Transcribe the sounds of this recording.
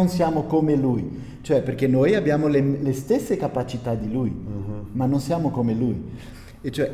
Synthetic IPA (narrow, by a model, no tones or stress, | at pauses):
onsjaːmokomeluj | t͡ʃoɛperkenojabjaːmolelest̪esːekapat͡ʃit̪ad̪ilujmanːonsjaːmokomeluj | et͡ʃːoɛ